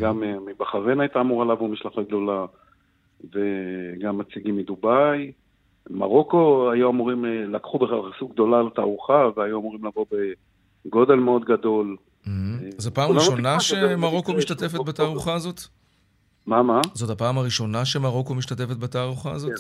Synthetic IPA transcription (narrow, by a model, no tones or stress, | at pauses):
ɡamemibaχaʁenajt̪aːmuʁalavumiʃlaχaɡd̪o̞la | veɡamːat͡siɡimid̪ubaj | ma̰ʁo̞ko̞ajuamuʁimlakχubeχalχisuɡ̚d̪o̞laːlat̪a̰ːʁuχaveajuamuʁimlavo̞be | ɡo̞d̪e̞lmeo̞d̪ɡad̪o̞l | m̩ɦm̩zopaːmaʁiʃo̞naʃemaʁo̞ko̞miʃtat̪e̞fet̚bataːʁuχaːzo̞t̪ | mamazo̞t̪apaːmaʁiʃo̞naʃemaʁo̞ko̞miʃtat̪efet̪bataːʁuχaːzo